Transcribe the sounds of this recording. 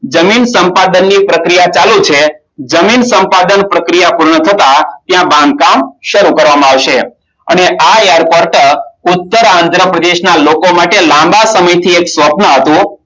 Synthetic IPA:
d͡ʒəminsəmpad̪ənːipɾəkɾijat͡ʃalũt͡ʃʰe | d͡ʒəminsə̃mpad̪ənpɾəkɾijapuɾɳət̪ʰət̪at̪jãbãŋɡ̚kamʃəɾukəɾʋamãaʋʃe | ə̰neʔaejaɾpoɾʈʊt̪ːəɾãnd̪ʱɾəpɾəd̪eʃnalokomaʈelãmbasəməjt̪ʰieksʋəpnəɦət̪ũ

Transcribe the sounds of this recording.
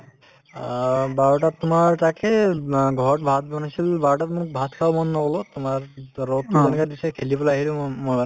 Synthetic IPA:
baɹʈat̪umaɹʈakeɡʱɔɔʈbʱat̪̚bɔnasilbaɹʈat̪muk̚bʱat̪kʰawmɔnːɔɡɔlot̪umaɹːɔt̪ːizɔnkad̪isekʰelibɔlaaɦilumɔjba

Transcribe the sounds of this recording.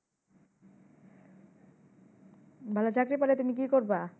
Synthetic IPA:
bʱalat͡ɕakɾipalet̪umik̬ikoɾba

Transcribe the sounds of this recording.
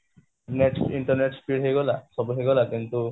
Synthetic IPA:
neʈsiɳʈɔɾneʈspʰiɽɦejɡɔlasɔbuɦeɡɔlakint̪u

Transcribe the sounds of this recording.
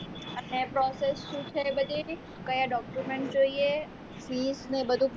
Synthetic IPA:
ənepɾɔsesʃũt͡ʃʰebəd̪ʱi | kəjãɖɔkjumeɳʈ̚d͡ʒoie | fisnebəd̪ʱũ

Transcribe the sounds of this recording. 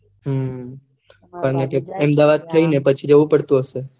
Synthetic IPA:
ɦə | kaɾəɳekeəmd̪aʋad̪̚t̪ʰəinepət͡ʃʰid͡ʒəʋũpəɽt̪ũɦəʃe

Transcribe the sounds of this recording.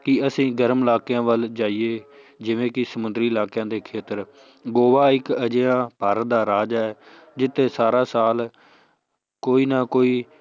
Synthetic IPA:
kɪəsĩːɡəɾmɪlaːkjãːʋəld͡ʒaːieː | d͡ʒɪʋẽːkɪsəmʊnd̪ɾiːɪlaːkjãːd̪eːkʰeːt̪əɾ | ɡoːʋaːɪkəd͡ʒeːãːpəɾd̪aːɾaːd͡ʒaːɛː | d͡ʒɪt̪ʰːeːsaːɾaːsaːl | koːiːnaːkoːiː

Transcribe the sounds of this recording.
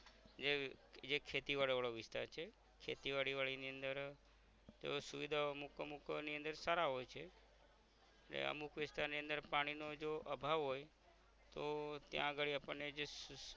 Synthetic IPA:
d͡ʒed͡ʒekʰet̪iʋaɭʋaɭoʋɪst̪a̰ɾt͡ʃʰe | kʰet̪iʋaɽiʋaɭiniə̃nd̪əɾ | d͡ʒo̰suʋid̪ʱaoəmukəmukniə̃nd̪əɾsaɾaɦojt͡ʃʰe | eʈlḛə̰mukʰʋɪst̪aɾniə̃nd̪əɾpaɽ̃inod͡ʒoʔəbʱaʋɦoj | t̪ot̪jã̰əɡəɭiapəɳned͡ʒe

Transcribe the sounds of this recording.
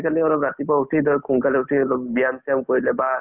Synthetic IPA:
kaliɔlɔpɹatipautʰidɔɹkʰuŋkalɛutʰiɔlɔp̚bijamsʰijamkoɹilɛba

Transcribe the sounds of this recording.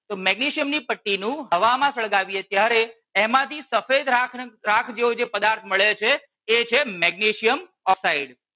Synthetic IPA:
t̪omɛɡneʃijəmnipəʈːinũɦəʋamãsəɭɡaʋijet̪jaɾe | ɛmãt̪ʰisəfed̪ɾakʰɾakʰd͡ʒeod͡ʒepəd̪aɾt̪ʰməɭet͡ʃʰeː | t͡ʃʰemɛɡ̚neʃijəm | ɔfsaiɖ

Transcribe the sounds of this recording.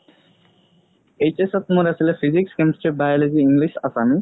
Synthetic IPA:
ejt͡ɕesat̪̚muɾesilefʰizikskemsʈibajoled͡ʑiiŋliʃasami

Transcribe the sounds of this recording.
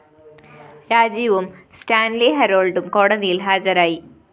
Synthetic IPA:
ɾaːd͡ʑiʋumsʈaːnliɦɐɾoːlɖumkoːɽɐðijilɦaːd͡ʑɐɾaːji

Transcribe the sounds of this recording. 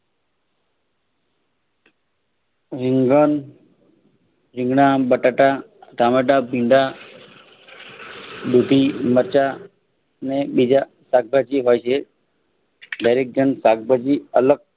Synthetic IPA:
ʋiŋɡən | ɾɪ̃ŋɡɳabəʈaʈat̪ameʈabʱiɳɖa | d̪ʱut̪iməɾt͡ʃa | nebid͡ʒa | sak̚bʱad͡ʒiɦojt͡ʃʰe | d̪əjɾek̚d͡ʒənsak̚bʱad͡ʒiələɡ̚

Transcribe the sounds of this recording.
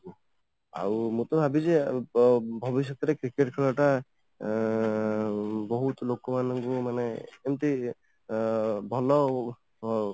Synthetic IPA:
a̰wmũt̪ɔbʱabize | bʱɔbis̬jɔk̚t̪ɔɾekɾikeʈkʰɔlɔʈa | bɔɦut̪lokɔmanɔŋkumaneːmt̪e | bʱɔlɔ

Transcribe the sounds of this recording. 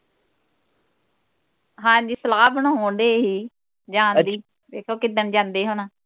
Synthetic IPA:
ɦãːɲd͡ʒiːsəlaːbəɳaoːnd̪eːɦiː | d͡ʒãːnd̪iː | beːkʰoːkɪd̪ənd͡ʒãːnd̪eːɦoːnaː

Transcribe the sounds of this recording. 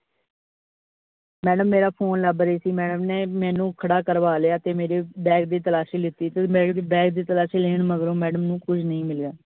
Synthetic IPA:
mɛːɖəmːeːɾaːpʰoːnləbɾeːsiːmɛːɖəmneːmɛ̃ːnũːkʰəɽaːkəɾʋaːleaːt̪eːmeːɾeːbɛːk̚d̪iːt̪əlaːʃiːlɪt̪ːiːt̪eːbɛːkd̪ːbɛːk̚d̪iːt̪əlaːʃiːleːɳməɡɾõːmɛːɖəmnũːkʊd͡ʒʰnəĩːmɪleaː

